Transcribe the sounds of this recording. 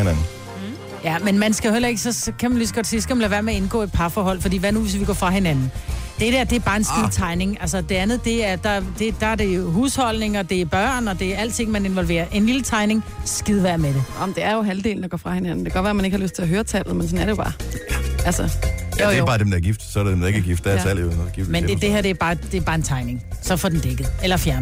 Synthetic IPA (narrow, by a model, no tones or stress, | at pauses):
nænn̩ | jæmenmænsɡ̥æjo̝helɐe̝ɡ̥sɒ̽kʰæmænlysɡ̥ɒ̽d̥siːsɡ̥æmænlæʋæɐmeɐe̝nɡ̥ɔ̰ːe̝d̥̚pʰɑ̈fɒːɦɒ̽l̰fɒ̽d̥ḭːʋænuʋe̝sʋiɡ̥ɒ̰ːfʁɑ̈ɦe̝nænn̩d̥ed̥æɐd̥e̝æɐb̥ɑ̈ːe̝nsɡiðˠt͡sʰɑ̈ɪne̝ŋʔælsɐd̥e̝ænð̞̩ˠd̥e̝æɐd̥ɑd̥e̝d̥ɑ̈æɐɾ̥e̝joɦuːshɒ̽l̰ne̝ŋɒ̽d̥e̝æɐb̥ɶɐ̰nɒ̽d̥e̝æɐæl̰d̥t͡sʰe̝ŋ̰mæne̝nʋɒ̽lʋe̝̰ːɐʔe̝nlilət͡sʰɑ̈ɪne̝ŋsɡ̥iðˠʋæɐ̰meɾ̥em̩d̥e̝æɐjo̝ɦæld̥e̝̰ːln̩d̥ɡ̥ɒ̰fʁɑ̈he̝nænn̩d̥e̝ɡ̥ɒ̥ʋæɐmæne̝ɡ̥hɑløsd̥̚t͡sʰe̝læɦøːɐt͡sʰɛb̥ð̩ˠmensɒ̽næɐɾejob̥ɑ̈ːælsɐ | bɑ̈ːd̥emd̥ɑɐɡ̥ifd̥sɒɾed̥emd̥ɑ̈e̝ɡ̥æɡ̥ifd̥ææl̰enoɡ̥ifmen̥ed̥e̝hæɐ̰d̥e̝æɐb̥ɑ̈ːd̥e̝æɐbɑ̈ːe̝nt͡sʰɑ̈ɪne̝ŋsɒ̽fɒ̽d̥en̩d̥eɡ̥ð̩ˠelɐfjæɐn